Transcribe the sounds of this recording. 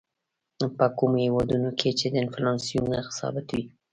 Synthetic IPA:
pəkumohewɑd̪unokʰet͡ʃed̪əɪnflɑnsijunaxɪ̥sɑ̰bɪt̪wi

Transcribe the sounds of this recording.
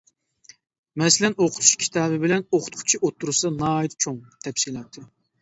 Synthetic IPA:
mɛsɪlɛnoqʰʊ̥t̪ʰu̥ʃkʲʰi̥t̪ʰɑːbɨbɪlɛnoqʰʊ̥t̪qʰʊ̥t͡ʃʰiʔot̪ʰːuɾɨsɑnɑːit̪t͡ʃʰoŋt̪ʰɛpsilˠɑt̪ʰːɨ

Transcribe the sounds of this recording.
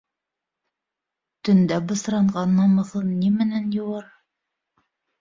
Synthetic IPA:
t̪ɵ̆nd̪æbɤ̆sɾɑɴɢɑnːɑmɤ̆θɤnnːimɘ̆nænjŏwɑɾ

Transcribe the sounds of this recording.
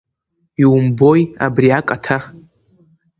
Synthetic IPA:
iwumbo̞ja̰briakʼatʰa

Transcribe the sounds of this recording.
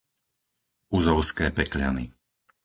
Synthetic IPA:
uzɔʊskɛːpɛkʎanḭ

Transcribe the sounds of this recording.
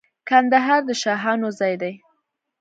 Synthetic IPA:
kand̪aɦɑɾd̪əʃɑɦɑnozɑjd̪aj

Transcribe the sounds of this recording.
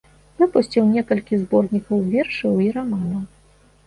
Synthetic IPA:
vɨpusʲt͡sʲiwnʲɛkɐlʲkʲizbɔrnʲikɐwvʲɛrʂɨwiɾamanɐw

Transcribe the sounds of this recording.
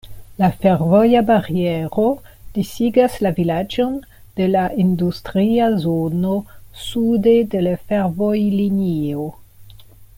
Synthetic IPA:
lafeɾvojabaɾieɾo̞d̥isiɡaslavilad͡ʒo̞n | d̥e̞laʔindustɾiazonosude̞de̞lafeɾvojlinio

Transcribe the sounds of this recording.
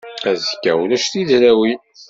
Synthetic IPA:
æzəkːæ̰wlæʃθiðɾæwi

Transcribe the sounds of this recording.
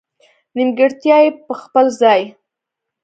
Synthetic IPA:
nɪmɡəɾt̪jɑjepəxpəlzɑj

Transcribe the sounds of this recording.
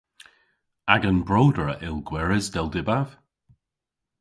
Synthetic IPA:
aɡənbɹoːdəɹə̰ʔɪlˠɡwɛɹɪzdɛlˠdɪbav̥

